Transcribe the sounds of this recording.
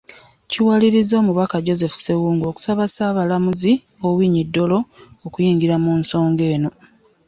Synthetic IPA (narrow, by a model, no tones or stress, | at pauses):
ciwaliɾizo̞ːmuβakaɟo̞ze̞fu̥se̞wuːŋɡo̞ku̥saβasaːβalamuzi | owiːɲidːo̞lo̞okujiːŋɡiɾamunso̞ːŋɡe̞ːno̞